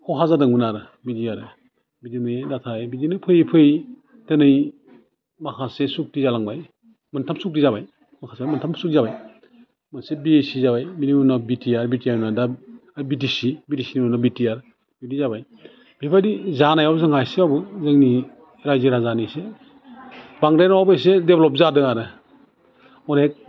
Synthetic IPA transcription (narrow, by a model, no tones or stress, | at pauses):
kʰɔwɦazadɯŋunaɾɯ | bidiaɾɯ | bidinɯjdatʰajbidinɯpʰɯjpʰɯj | tenɯj | makʰasesuk̚tizalaŋbaj | mɐntʰamsuk̚tizabaj | makʰasemɐntʰamsuk̚tizabaj | mɯnsebiesizaβajminiunabitiaɾbitiaɾunadaaɾbitisibitisiniunɔbitiaɾ | bitizabaj | b̥ipʰaɾizanajawzaŋajseawbɯzɯŋni | ɾajziɾazanise | baŋɾajnawawbajsedeblɔp̚zadɯaɾɯ | ɔnek̚